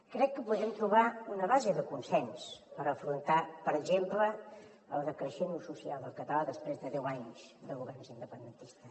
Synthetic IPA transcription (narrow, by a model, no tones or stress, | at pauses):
kɾɛkːəpuðɾɛmt̪ɾuβ̞aunəβazəðəkunsɛnspəɾəfɾunt̪apəɾəɡzemplə | ə̰lˠðəkɾəʃenususialˠd̪əlˠkət̪əlaðəspɾezðəðɛwaɲzd̪əluβɛɾnzind̪əpənd̪ənt̪ist̪ə